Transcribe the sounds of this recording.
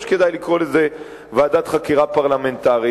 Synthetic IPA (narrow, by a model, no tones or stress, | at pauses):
ʃke̞d̪ajlikʁo̞leze | vaːd̪at̪χakiʁapaʁlame̞nt̪aʁi